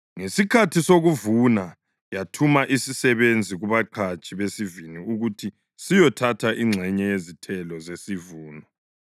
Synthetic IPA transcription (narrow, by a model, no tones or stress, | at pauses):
ŋesikʰatʰisoɣuvuna | jatʰumaʔisisɛβend͡zʱiɣuβaǃʰat͡ʃʼiβesiviniuɣutʰi | sijɔtʰatʰaʔiŋ͡ǁʱɛɲɛjezitʰɛlɔzesivuːnɔ